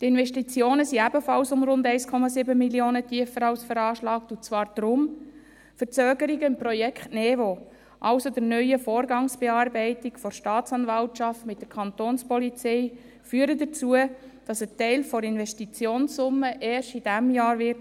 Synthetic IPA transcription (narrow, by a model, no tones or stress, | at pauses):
tɪnvɛʃtit͡sjoːnəsiæbəfɑlsʊmɾʊndɛɪskʰɔmɑsɪbəmilioːnətʰiəfːəɾɑʊsfəɾɑːʃlɑːktʊt͡svɑːɾd̥ɾʊm | fəɾt͡søːɡəɾiɡəɪmprɔjɛkχtnɛːvo | ʔɑʊsodəɾnœʏəfoːɾɡɑŋsb̥ɛɑːɾbɛɪtɪkfɔɾʃtɑːtt͡sɑnvɑltt͡ʃɑftmɪt̚d̥̪əɾkʰɑnt̪oːnspɔlit͡sɛɪ | fyːɾədət͡suəd̥ɑsətɛɪlfɔɾɪnʋɛʃtit͡sjoːnsʊmːəʔɛːʃtid̥æmjɑːɾʋɪɾt